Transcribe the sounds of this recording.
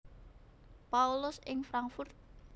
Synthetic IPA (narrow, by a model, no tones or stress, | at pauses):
paulʊsɪŋfɾaŋkfʊrt̪̚